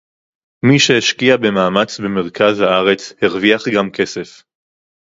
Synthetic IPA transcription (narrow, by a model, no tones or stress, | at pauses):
miʃeeʃkiabe̞maːmat͡sbe̞me̞ʁkʰazhaaʁe̞t͡sheʁviaχɡamke̞sef